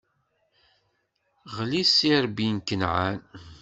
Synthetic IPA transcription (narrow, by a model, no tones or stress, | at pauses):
ʁlisiɾbinkənʕan